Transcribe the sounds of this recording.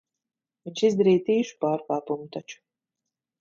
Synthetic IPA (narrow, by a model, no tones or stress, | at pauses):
viɲʲʃizd̪aɾiːt̪iːʃu̥paːɾkaːpumut̪at͡ʃu̥